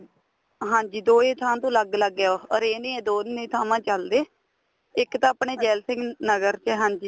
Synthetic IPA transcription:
ɦãːɲd͡ʒiːd̪oːeːt̪ʰaːmãt̪õːləɡləɡejoːɔɾeːnẽːɛ̃ːd̪oːnẽːt̪ʰaːmãːt͡ʃəld̪eː | ɪkt̪ãːəpɳeːd͡ʒɛːlsɪ̃ŋɡnəɡəɾt͡ʃɦãːɲd͡ʒiː

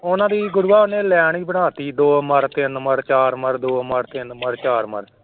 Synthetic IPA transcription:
ʊnãːd̪iːɡʊɾʊaːneːlɛːɳ̃iːbəɽ̃aːt̪iːd̪oːməɾt̪ɪnməɾt͡ʃaːɾməɾd̪oːməɾt̪ɪnməɾt͡ʃaːɾmə̰ɾ

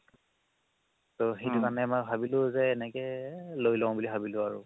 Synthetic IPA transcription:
toxitukanɛmɔjbʱabilʊ̃zɛːnɛkɛlojlɔ̃bulibʱabilʊ̃aɹṵ

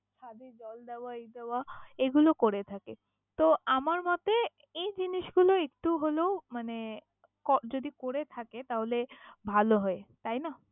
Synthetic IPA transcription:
ʃʰad̪ʱid͡ʑɔld̪ɛaid̪ɛwaeɡulokoɾet̪ʰake | t̪oamaɾmɔt̪e | ejd͡ʑiniʃɡuloek̚ʈuɦolomane | kɔd͡ʑod̪ikoɾet̪ʰaket̪aɦolebʱaloɦɔet̪ajna

